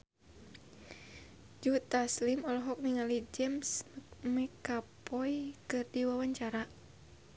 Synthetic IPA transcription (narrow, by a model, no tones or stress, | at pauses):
d͡ʒut̪aslimɔlɔɦɔk̚niŋalid͡ʒɛmsmɛkapɔjkɨrdiwawaɲt͡ʃaɾa